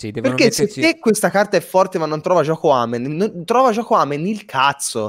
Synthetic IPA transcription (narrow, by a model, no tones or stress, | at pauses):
perkesːet̪ːekːwest̪akart̪aɛfːɔrt̪emanːont̪ɾɔːvad͡ʒɔːkoamenːont̪ɾɔːvad͡ʒɔːkoamenilkʰat̪sːo